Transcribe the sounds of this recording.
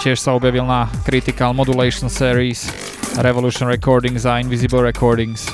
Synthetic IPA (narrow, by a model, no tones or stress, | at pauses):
cɪɛʃsaɔbjaʋilnakɾit̪ikalmɔd̪ulɛɪʃɔnsɛəɾiːs | ɾɛʋɔluːʃɔnɾɛkɔːɾd̪iŋzainʋizibəl̩ɾɛkʰɔːɾd̪iŋs